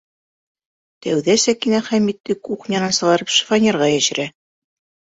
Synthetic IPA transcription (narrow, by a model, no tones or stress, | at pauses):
t̪æwðæsækinæχæmit̪ːɘkuχnʲɑnɑnsɤ̆ʁɑɾɤpʃɤ̥fanʲeɾʁɑjæʃɘ̆ɾæ